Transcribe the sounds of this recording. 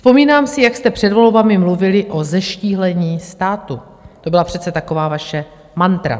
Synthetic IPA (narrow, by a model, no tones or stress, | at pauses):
spo̞miːnaːmsɪjakst̪ɛpr̝̥ɛdvo̞lbamɪmluvɪlɪʔo̞zɛʃciːɦlɛɲiːst̪aːt̪u | t̪o̞bɪlapr̥ɛt͡sɛt̪ako̞vaːvaʃɛ | mant̪ɾa̰